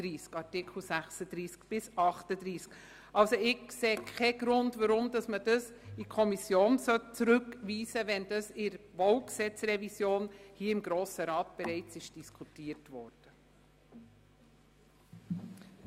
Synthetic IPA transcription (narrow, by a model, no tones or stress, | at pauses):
ɾiːskɑɾtɪkχl̩ˠsæχsəd̥̪ɾiːskb̥ɪsɑχtəd̥̪ɾiːsk | ʔɑlsoɪɡseːkʰɛɡ̥ɾʊndvɑɾʊmd̥ɑsməd̥əs | ikʰɔmisjoːnsœt̚t͡sɾʉkʋiːsəʋɛnd̥ɑsɪɾʋowksɛt͡srɛvisjoːnhiːɪmɡɾoːsəɾɑːtb̥ɛɾɛɪt͡sɪʃd̥iskʰutiːəɾtvɔːɾd̥ə